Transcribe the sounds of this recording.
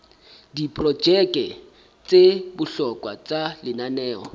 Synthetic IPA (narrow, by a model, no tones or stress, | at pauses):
dipʼrɔd͡ʒɛkʼɛ | t͡sʼebʊɬɔkʼwa̰t͡sʼalɪnanɛːɔ